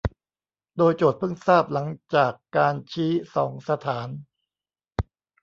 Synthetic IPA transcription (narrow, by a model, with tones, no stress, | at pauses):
doː˧jt͡ɕoː˨˩t̪̚pʰɯ˥˩ŋsaː˥˩p̚la˩˦ŋt͡ɕaː˨˩kːaː˧nt͡ɕʰiː˦˥sɔː˩˦ŋsa˧t̪ʰaː˩˦n